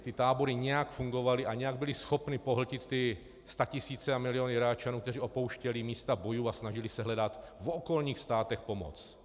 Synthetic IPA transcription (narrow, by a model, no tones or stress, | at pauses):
t̪ɪt̪aːbo̞ɾɪɲɛjakfuŋɡo̞valɪʔaɲɛjaɡ̚bɪlɪsxo̞pnɪpoɦl̩cɪt̪ːɪ | st̪acɪsiːt͡sɛamɪlɪjonɪɾaːt͡ʃanuːkt̪ɛriːʔopo̞wʃcɛlɪmiːst̪abo̞juːasnaʒɪlɪsɛɦlɛdat̪ | voko̞lɲiːxst̪aːt̪ɛxpo̞mo̰t͡s